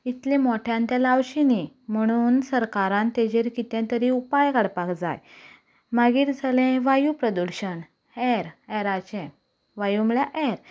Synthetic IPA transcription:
it̪lẽmɔʈʰjãnt̪jalawɕinim̤əɽ̃uːnsəɾkaɾãnt̪ed͡ʑeɾkit̪ɛ̃t̪əɾiupajɡaɽpakd͡za̰j | maɡiːɾd͡zʱalẽʋajupɾəd̪uɾɕəɳ | ɛɾɛɾat͡ɕɛ̃ | ʋajumɭjaʔɛɾ

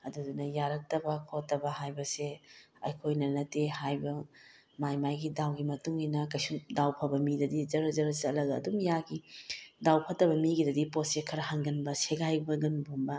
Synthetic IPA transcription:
ɐdudunɐjaɾɐk̚tɐbɐkʰotːɐbɐhajbɐseɐjkʰojnɐnɐtːehajbɐ | majmajɡidawɡimɐtuŋinɐkɐjsumdawpʰɐbɐmidɐdid͡ʒɐɾɐzɐɾɐsɐlɐɡɐ̰ːdumjaɡidawpʰɐtɐbɐmiɡidɐdiposekʰɐɾɐhaŋɡɐnbɐseɡajbɐɡɐnbombɐ

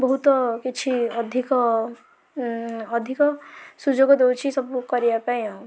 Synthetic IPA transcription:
bɔɦut̪ɔkit͡ʃʰiɔd̪ʱikɔ | d̪ʱikɔsud͡ʒoɡɔd̪ewt͡ʃʰisɔbukɔɾibapaĩɦɔ̃

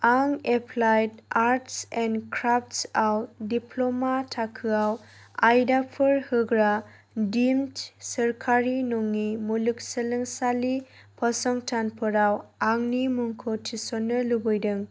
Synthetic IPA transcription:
aŋepʰlajtaɾtsɛnkʰɾaptsawdipʰlomatʰakʰɯawajdapʰɯɾhɯɡɾa | dimtsɐɾkʰaɾinoŋːimuluk̚səlɯŋsali | pʰɔsɔŋtʰanpʰɯɾawaŋnimuŋkʰotʰisɔnːɯlubɔjdɯŋ

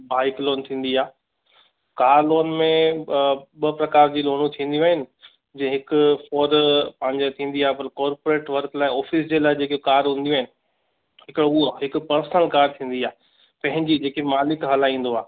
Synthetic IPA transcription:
baːɪkloːnt̪ʰĩːn̆d̪iaː | kaːɾloːnmẽ | ɓɐpɾɐkaːɾd͡ʑiːloːñũt̪ʰĩːn̆d̪iũaːɦɪnɪ̆ | d͡ʑɐ̃ɦɪkʊfoːɾpɐ̃ɦɪ̃ɲd͡ʑot̪ʰĩːnd̪iaːɦepɐɾkɔːɾpoɾeːʈʋɐɾklaːɪɔːfɪsd͡ʑeːlaːɪd͡ʑeːkokaːɾɦũːnd̪iũaːɦɪnɪ̆ | ɦɪkɪɽoʊoɦɪkʊ̆pɐɾsənəlkaːɾt̪ʰĩːn̆d̪iaː | pɐ̃ɦɪ̃ɲd͡ʑid͡ʑeːkemaːlɪkɦɐlaːĩːn̆d̪oaː

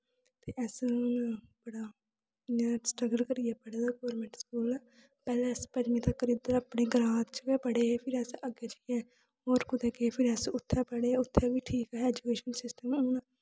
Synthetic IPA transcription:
t̪eːʔɛːs | bəɽaː | asʈɾəɡəlkəɾijɛːpəɽaːd̪aːɡoːɾmẽɳʈskuːlɛː | pɛːlɛ̃ːspəd͡ʒmiːt̪aːkəɾiːd̪əɾaːpɳeːɡəɾãːt̪t͡ʃəkeːpəɽeːɛpʰɪɾɛːsəɡeːd͡ʒəiɛ̃ː | ɦoːɾkʊd̪ɛːkepʰɪɾɛːsʊt̪ʰːɛːpəɽeːʊt̪ʰːɛːʋiːʈʰiːkɛːɦɛːd͡ʒukeːʃənsɪsʈəmoːnaː

